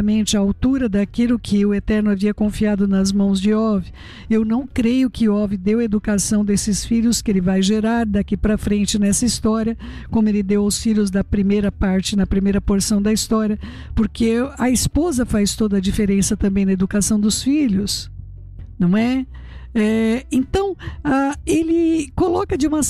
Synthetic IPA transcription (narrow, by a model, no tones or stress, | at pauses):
ɐmẽnt͡ʃɪɐawt̪uɾɐd̪akilʊkʰɪʊet̪ɛɾnʊaviɐkõfiad̪ʊnɐzmɐ̃w̃zd͡ʒɪɔvɪ | ewnɐ̃w̃kɾejʊkɪɔvɪd̪ewɐed̪ukasɐ̃w̃d̪esɪsfiʎʲʊskɪelɪvajʒeɾaɾd̪akipɾɐfɾẽnt͡ʃɪnɛsɐist̪ɔɾiɐ | kõmʊelɪd̪ewʊsfiʎʊzd̪ɐpɾimejɾɐpaɾt͡ʃɪnɐpɾimejɾɐpoɾsɐ̃w̃d̪ɐist̪ɔɾiɐ | poɾkeɐispozɐfajst̪od̪ɐd͡ʒifeɾẽsɐt̪ɐ̃mbẽj̃nɐed̪ukasɐ̃w̃d̪ʊsfiʎʊs | nɐ̃w̃ɛ | ɛẽnt̪ɐ̃w̃aelɪkolɔkɐd͡ʒɪũmɐ